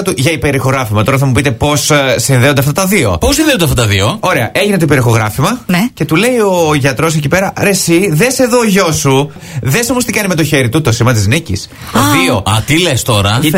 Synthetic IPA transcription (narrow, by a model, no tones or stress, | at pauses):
t̪uʝɐipe̞ɾixo̞ɣɾɐfimɐt̪o̞ɾɐθɐmupit̪e̞po̞ssinðeond̪ft̪ɐt̪ɐðio̞̰posinðeond̪ɐft̪ɐt̪ɐðio̞o̞ɾeɐʔeʝinet̪oipeɾixo̞ɣɾɐfimɐnce̞t̪ule̞io̞ʝɐt̪ɾo̞s̬e̞cipe̞ɾɐɾe̞siðese̞ðoːʝo̞su | ðeso̞most̪ikɐnime̞t̪o̞çe̞ɾit̪ut̪o̞simɐt̪iznicḭs | ðio̞ɐ̰t̪ilest̪o̞ɾɐ